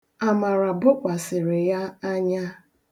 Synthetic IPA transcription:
a˨ma˨ɾa˨bʊ˦kʷa˨sɪ˨ɾɪ˨ja˦a˦ɲa˦

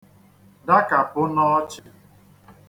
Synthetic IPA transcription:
da˦ka˨pʊ˦nɔ˦t͡ʃɪ˦

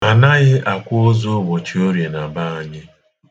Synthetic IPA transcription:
a˨na˦ɣɪ˦ʔa˨kʷʊ˦o˦zo˦βo˨t͡ʃi˦o˦ɾje˨na˨ba˦a˨ɲɪ˦

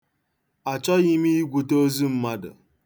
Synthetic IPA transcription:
a˨t͡ʃɔ˦ɣi˦mi˦i˦ɡʷu˨to˦zu˦m̩˦ma˦dʊ̰˨

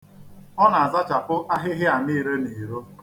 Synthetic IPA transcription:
ɔ˦na˨a˨za˦t͡ʃa˨pʊ˦ʔa˦ɦɪ˦ɦɪ˦a˨niː˦ɾe˦ni˨ɾo˦

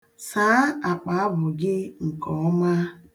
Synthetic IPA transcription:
saː˨˦a˨k͡pa˨˦bʊ˨ɡɪ˦ŋ̩˨kɔ˨˦ma˦

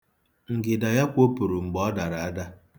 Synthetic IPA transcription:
ŋ̩˨ɡɪ˨da˨ja˦kʷo˦pu˨ɾu˨ŋ͡m̩˨ɡ͡bɔ˦da˨ɾa˨a˦da˦

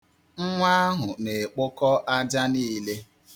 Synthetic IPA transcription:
ŋ̩˦ŋʷa˦a˦ɦʊ˨ne˨k͡pʊ˦kɔ˦ʔa˦d͡ʒa˦niː˦le˦

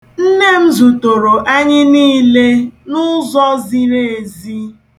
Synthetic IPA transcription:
n̩˦ne˦m̩˦zu˨to˨ɾo˨ʔa˦ɲɪ˦niː˦le˦nʊ˦zɔ˦zi˦ɾe˦e˨zi˦

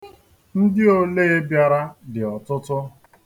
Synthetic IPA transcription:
n̩˦dɪ˦o˨le˦e˦bja˨ɾa˦dɪ˨ɔ˨tʊ˦tʊ˦

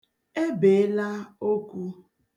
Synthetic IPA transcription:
e˦be˨˦la˦o˦kʷu˦

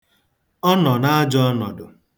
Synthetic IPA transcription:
ɔ˦nɔ˨na˦a˦d͡ʒɔ˦ɔ˦nɔ˨dʊ˨

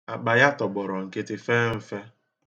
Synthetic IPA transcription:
a˨k͡pa˨ja˦tɔ˨ɡ͡bɔ˨ɾɔ˨ŋ̩˨ke˦tɪ˦fe˦m̩˦fe˦

